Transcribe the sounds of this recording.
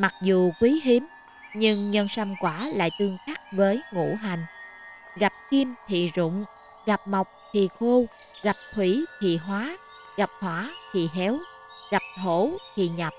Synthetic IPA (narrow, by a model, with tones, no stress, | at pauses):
ma˨˩k̚zu˨kwi˨˦ɦi˨˦m | ɲɨ˧ŋɲə˧nsa˧mkwaː˧˩la̰ː˧˨jt̪ɨ˧əŋxa˦˥k̚vəː˨˦jŋṵ˧˩ɦa˨˩jŋ̟ | ɣa˨˩p̚ki˧mt̪ʰḭ˧˨zʊ̰˧˨ŋ͡m | ɣa˨˩p̚ma˨˩wk͡p̚t̪ʰḭ˧˨xu˧ | ɣa˨˩p̚t̪ʰwi˧˩t̪ʰḭ˧˨ɦwaː˨˦ | ɣa˨˩p̚hwaː˨˦t̪ʰḭ˧˨ɦɛ˨˦w | ɣa˨˩p̚t̪ʰo˧˩t̪ʰḭ˧˨ɲa˨˩p̚